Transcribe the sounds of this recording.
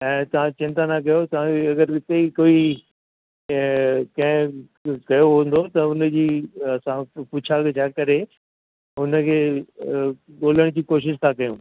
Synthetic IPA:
ɛ̃ːt̪ɐʋ̤ãt͡ɕɪ̃nt̪anak̬ɐjot̪ɐʋ̤ãeɐɡəɾɪt̪eikoːi | kɐ̃ɦɪ̃ | kɐjoɦũn̆d̪ot̪ɐʊn̆d͡ʑiːɐsãpʊt͡ɕʰakt͡ɕʰaːkɐɾe | ʊnə̆kʰeː | ɠoːləɽ̃d͡ʑiːkoːʃɪʃt̪ʰakɐjũː

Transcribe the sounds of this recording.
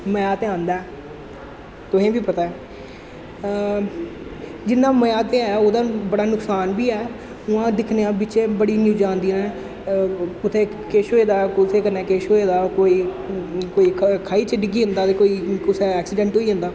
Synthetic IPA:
məjaːt̪eːãːnd̪aɛː | t̪ʊɦẽːbiːpət̪aːɛː | d͡ʒɪnːãːməjaːt̪eːɛːoːd̪aːbəɽaːnʊksaːnbiːɛː | ʊãːd̪ɪkʰnejãːbɪːt͡ʃẽːbəɽiːnjuːd͡ʒãːnd̪iːnɛ̃ː | ʊt̪ʰeː | keːʃoːeːd̪aːkʊt̪ʰeːkənːɛ̃ːkeːʃoːeːd̪aːkoːiː | koːiːkʰkʰaːiːt͡ʃəɖɪɡiːɦənd̪aːt̪eːkoːiːʊsɛːɛːksɪɖɛ̃ːɳʈɦoːiːɦə̃nd̪aː

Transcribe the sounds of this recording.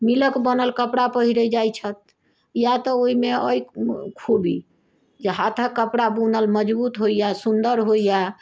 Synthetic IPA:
miləkbənəlkəpɽapəɦiɾəd͡ʒajt͡ʃʰət̪̚ | jat̪ɔoimeəjkʰubi | d͡ʒeɦat̪ʰəkːəpɽabunəlməd͡ʒbut̪ɦoijasund̪əɾɦoija

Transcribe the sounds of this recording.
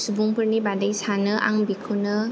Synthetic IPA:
subuŋpəɾnibadajsanəʔa̰ŋbikʰunə

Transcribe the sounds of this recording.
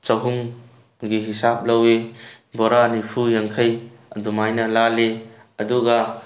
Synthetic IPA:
t͡ʃɐɦuŋ | ɡiɦisap̚lɐwe | bɔɾanipʰujaŋkʰɐj | ɐ̰dumajnɐlale | ɐduɡɐ

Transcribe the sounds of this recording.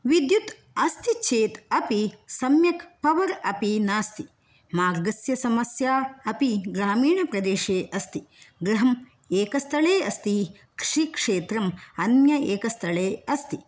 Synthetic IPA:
ʋid̪jut̪ | ɐst̪it͡ʃʰeːt̪ɐpisɐmjɐkpɐʋɐɾɐpinaːst̪i | maːɾɡɐsjɐsɐmɐsjaːɐpiɡɾaːmiːɳɐpɾɐd̪eːʂeːʔɐst̪iɡɾɐɦɐm | eːkɐst̪ʰɐɭeːɐst̪i | kɾʂikʂeːt̪ɾɐmɐnjɐeːkɐst̪ʰɐɭeːɐst̪i

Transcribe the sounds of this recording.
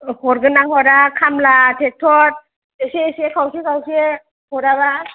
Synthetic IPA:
hɔɾɡɯnaŋhɔɾakʰamlatʰek̚tʰɔt̚ | eseesiekʰawsikʰawsie | hɔɾaβa

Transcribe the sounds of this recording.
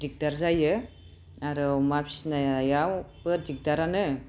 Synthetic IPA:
d͡ʒik̚d̪aɾzajɯ | aɾɔmapsnajajawpəɾd͡ʒik̚d̪aɾanɯ

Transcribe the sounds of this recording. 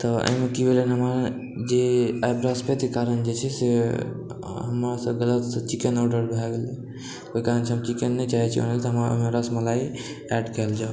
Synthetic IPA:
t̪ɔə̰ɦimekibelənɦəməɾ | d͡ʒeajbɾəspet̪ikaɾənd͡ʒet͡ʃʰɛse | ɦəmɾasəɡələt̪sə̃t͡ʃikenɔɖəɾbʱɛɡelɛ | koikaɾənt͡ʃʰɛɦəbt͡ʃikenːɛt͡ʃaɦɛt͡ʃʰio̰nelt̪ɔɦəmɾaə̰meɾəsməlai | ɛɖkəld͡ʒaw

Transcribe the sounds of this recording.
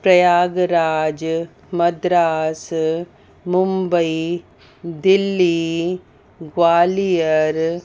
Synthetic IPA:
pɾɐjaːɡɾaːd͡ʒ | mɐd̪ɾaːs | mumbɐi | d̪ɪlːi | ɡwaːlijɐɾ

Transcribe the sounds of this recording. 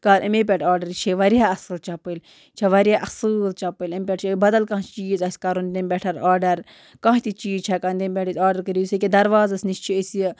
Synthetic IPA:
kaɾʔɐmepʲɛʈʰaːɾɖɐɾt͡ʃʰeʋɐɾjaɐsɨlt͡ʃɐpɨlʲ | t͡ʃʰeʋɐɾʲjaːʔɐsɨːlt͡ʃɐpɨlɐmpʲɛʈt͡ʃʰbɐd̪ɐlkãːt͡ʃt͡ʃiːzɐsʲkaɾund̪emʲbʲɛʈʰɐɾaːɾɖɐɾ | kãːɦt̪it͡ʃiːzt͡ʃʰakɐnd̪embʲɛʈʰit̪ʲaːɖɐɾkəɾiusekʲed̪ɐɾʋaːzɐsnist͡ʃʰiesi

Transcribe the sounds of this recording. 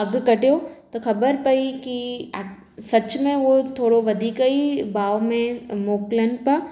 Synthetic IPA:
ɐɡ̆kɐʈijot̪ɐxɐbəɾpɐiki | sɐt͡ɕmẽot̪ʰoːɽoʋɐd̪ʱiːkɐibaːomẽmoːkɪlənɪ̆pɐ

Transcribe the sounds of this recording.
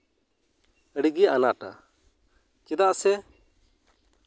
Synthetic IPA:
əɽiɡiʔanaʈa̰ | t͡ʃɛd̪aʔsɛ

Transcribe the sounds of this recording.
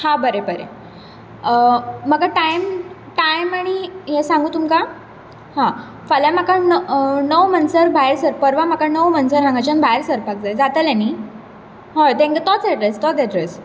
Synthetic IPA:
hãbəɾebəɾḛ | məɡaʈajm | ʈajmaɽ̃iɦɛsãŋɡuːt̪umka | hã | fəlamakanənəwmənsəɾbʱajɾsəɾpəɾʋam̤akanəwmənsəɾɦãŋɡat͡ɕanbʱaeɾsəɾpak̚d͡zaed͡zat̪əleni | ɦot̪ẽŋɡət̪ɔt͡seʈɾest̪ɔd̪eɖɾes

